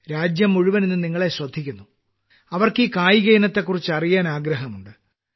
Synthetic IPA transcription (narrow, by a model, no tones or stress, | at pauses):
ɾaːd͡ʑjɐmːuɻuʋɐnenːɨniŋːɐɭe̞ɕrɐd̪ʱːikʲːunːu | ɐʋɐrkiːkaːjiɣɐjinɐt̪ːe̞kːurit͡ɕːɨɐrijaːnaːɡɾɐɦɐmuɳɖɨ